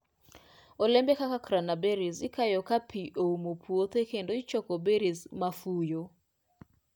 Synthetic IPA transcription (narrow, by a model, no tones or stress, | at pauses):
ɔlɛmbɛkakakɾanabeɾisɪkajɔkapʰiʔoumopʰuot̪ekendoɪt͡ʃɔkɔbeɾismafujo